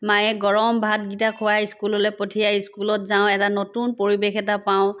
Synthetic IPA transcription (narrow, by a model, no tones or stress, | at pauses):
majɛɡɔɹɔmbʱat̚ɡitakʰʊwajiskulolɛpotʰijajiskulɔtzaʊ̃ɛtanotunpoɹibexɛtapaʊ̃